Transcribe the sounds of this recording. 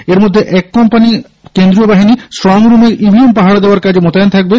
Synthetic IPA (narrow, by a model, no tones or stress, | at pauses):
eɾmod̪ʱːeʔɛkːɔmpani | kend̪ɾiobaɦinisʈɾɔŋɾumeɾibʱiempaɦaɽad̪eoaɾkad͡ʑʱemot̪aant̪ʰak̚be